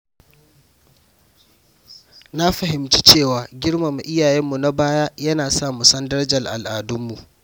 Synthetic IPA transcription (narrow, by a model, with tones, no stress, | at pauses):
na˦ɸɐ˨ɦɪ˨mt͡ʃi̥˦t͡ʃeː˦˨waː˨ɡʲɪ˦ɽma˨mu˨ʔɪ˦jaː˨jɛ˦mːu˨na˦baː˦jaː˦jɐ˦naː˨saː˦˨mu˨sɐ˦ndɐ˦ɾd͡ʒɐ˨lʔa˨lʔaː˨dʊ˦mːu˨ʔ